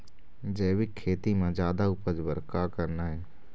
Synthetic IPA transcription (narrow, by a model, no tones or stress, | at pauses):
d͡ʒeːwɪkʰːeːt̪imãd͡ʒjaːd̪aʊpəd͡ʒbəɾkakəɾnaɦɛː